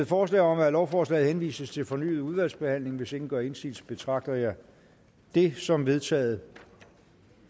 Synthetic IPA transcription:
ð̩ˠfɒːs̬lɛ̰ːɪɒ̽mælɒʊfɒːslɛ̰ːð̩ˠhenʋḭːsəst͡sʰe̝lfɒ̽ny̰ːð̞̩ˠuðˠʋæl̰sb̥e̝hæn̰le̝ŋʋe̝se̝ŋn̩ɡ̥ɶɐe̝nsḭlsb̥e̝t͡sʰʁɑ̈ɡ̥̚d̥ɐjɑ̈ | d̥e̝sɒ̽mʋe̝ð̞ˠt͡sʰɛ̰ːð̩ˠə

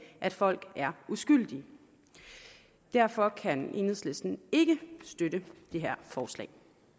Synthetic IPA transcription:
ʔæd̥fɒ̽l̰ɡ̥æɐusɡ̥yl̰d̥i | d̥æɐ̰fɒ̽kʰænenð̰ˠsle̝sd̥n̩e̝ɡ̥əsd̥øɾəd̥e̝ɦæɐ̰fɒːslɛ̰ɪ

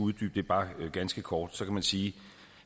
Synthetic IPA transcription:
uðˠd̥y̰ːb̥̚d̥e̝ɐb̥ɑ̈ːɡ̥ænsɡ̥əkʰɒːd̥sɒ̽kʰæmænsiː

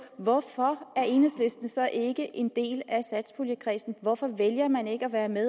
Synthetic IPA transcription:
ʋɒfɒ̽æɐe̝ːnəsle̝sd̥ənəsɒ̽ʔe̝ɡ̥əʔe̝nd̥e̝̰ːlæsæd̥spʰo̝ljəkʰʁɛ̰ːsn̩ʋɒfɒ̽ʋeljɐmæne̝ɡ̥əæʋæːɐme

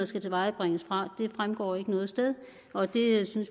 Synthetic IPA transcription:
ðˠsɡ̥æt͡sʰe̝ʋɑ̈ɪb̥ʁeŋ̰əsfʁɑ̈d̥e̝fʁamɡ̥ɒ̰ːe̝ɡ̥ənɔ̽ːð̞̩ˠsd̥eð̞ˠ | ʔɒ̽d̥e̝syns

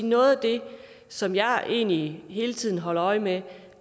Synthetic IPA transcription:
nɔ̽ːð̩ˠd̥e̝ | sɒ̽mjɑ̈ɪʔe̝̰ːnliɦe̝ːlət͡sʰið̞̰ˠn̩ɦɒ̽l̰ɐɒ̽ɪme

